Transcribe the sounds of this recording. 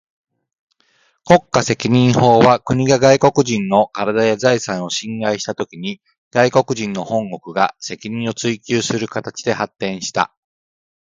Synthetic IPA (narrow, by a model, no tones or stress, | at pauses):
ko̞kːase̞kʲiɲ̟ĩɰ̃ho̞ːβakɯ̟ɲ̟iɡaɡaiko̞kɯ̟ʑĩnːo̞kaɾad̪ajazaisãɰ̃o̞ɕĩŋɡaiɕi̥t̪at̪o̞kʲiɲ̟i | ɡ̥aiko̞kɯ̟ʑĩnːo̞hõ̞ŋɡo̞kɯ̟ɡa̰se̞kʲiɲ̟ĩɰ̃o̞t͡sɨikʲɨːsɨɾɯ̟kat̪at͡ɕi̥d̪e̞hat̪ːẽ̞ɰ̃ɕi̥t̪a̰